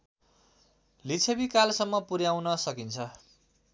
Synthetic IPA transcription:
lit͡sʰebikalsʌmːʌpuɾjawnʌsʌkint͡sʰʌ

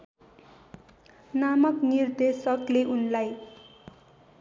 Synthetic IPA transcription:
namʌknird̪esʌkleʔunlaj

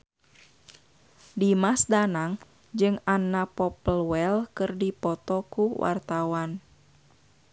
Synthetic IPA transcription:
dimasdanaŋ | d͡ʒɨŋanːapɔpəlwɛlkɨrdipɔt̪ɔkuwa̰rt̪awan

